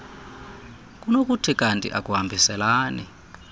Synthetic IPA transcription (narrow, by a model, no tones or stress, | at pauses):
k̬ʼunok̬utʰikʼantʼḭʔak̬ʼuɦambʱisɛlaːni